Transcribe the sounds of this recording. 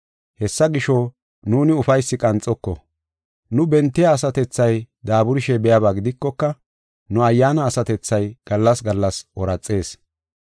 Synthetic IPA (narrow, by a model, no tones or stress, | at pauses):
hɛsːɐɡɪʃɔ | nuːnɪʊfɐjsːɪkʼɐnt͡sʼːɔkːɔ̰ | nʊbɛnt̪ːɪjaːsɐt̪ɛt͡sːɐjd̪aːbʊɾɪʃɛbɛjɐbaːɡɪd̪ɪkːɔkːɐ | nʊɐjːaːnɐːsɐt̪ɛt͡sːɐjɡ̥ɐlːɐsɡɐlːɐsɔɾɐt͡sʼːe̞ːs